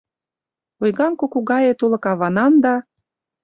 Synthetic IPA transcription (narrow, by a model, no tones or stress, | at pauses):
ojɣɑŋkukuɣɑjet̪ulɤ̆kɑβɑnɑnd̪ɑ